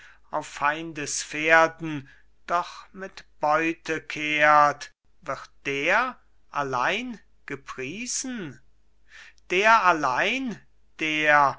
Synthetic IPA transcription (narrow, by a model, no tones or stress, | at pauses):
ʔaʊfaɪndəsfeːɐdn̩ | d̥ɔχmɪtb̥ɔʏtəkʰeːt | v̥ɪʁt̚d̥eːɐ | ʔalaɪn | ɡ̥əpʁ̥iːz̥n̩ | d̥eːɐalaɪn | d̥eːɐ